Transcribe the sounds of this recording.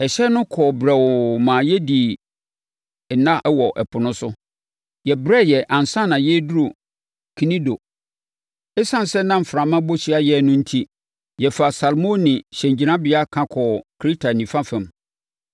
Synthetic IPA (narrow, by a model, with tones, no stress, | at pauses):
ɛ˨ɕɛ˦nʊ̃˦kʰɔː˨bɾɛ˨wɔ˨mãː˨jɛ˦di˨ | nã˦wɔ˨ʔɛ˨pʰʊ˨nʊ̃˦sʊ˦ | jɛ˨bɾɛ˦˨jɛ˨ʔã˨n˨sã˦˨nã˨jɛ˦du˦ɾo˨ | kʰi˨nĩ˦do˨ | ɛ˦sã˦n˨sɛ˦nã˦m̩˨fɾã˨mã˦bo˦ɕi˦a˦jɛ˦˨nʊ̃˦n̩˦tʰi˦ | jɛ˨fa˨sa˨lmõ˦nĩ˨ɕɛ̃˨ɲd͡ʑi˨nã˦bɪ˨˦a˦kʰã˦kʰɔ˨kʰɾi˦tʰa˨nĩ˨fã˦fɛ̃˨m